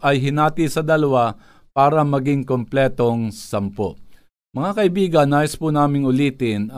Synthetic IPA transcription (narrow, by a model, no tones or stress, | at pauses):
ʔɐjɦɪnaːt̪isɐd̪ɐlɐwa | paːɾɐmɐɡɪŋkomplɛːt̪o̞ŋsɐmpoʔ | mɐŋakɐʔɪbiːɡɐnːaːʔɪspunaːmɪŋʊliːt̪ɪn